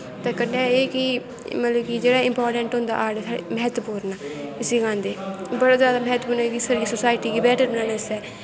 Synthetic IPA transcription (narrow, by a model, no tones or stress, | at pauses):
t̪eːkənːeːeːki | mələbkiːd͡ʒeːɽaɪ̃mpaːɾʈɛ̃ɳʈɦʊ̃nd̪a̰ːʔaːɽɛːsʰaɽḛməɦɛt̪puːɾnaːɪsiːɡãːnd̪eːbəɽaːzjaːd̪aːməɦɛt̪puːnaːkisaɾisoːsaːɪʈiːkiːbɛːʈəɾbənãːnaːsɛː